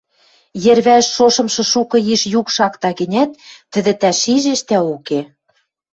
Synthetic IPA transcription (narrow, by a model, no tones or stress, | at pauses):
jĕrβæʃːoʃɤ̆mʃɤ̆ʃukɤ̆jiʃjukʃɑkt̪ɑɣɘ̆nʲæt̪ːɘ̆d̪ɘ̆t̪æʃiʒeʃt̪æuke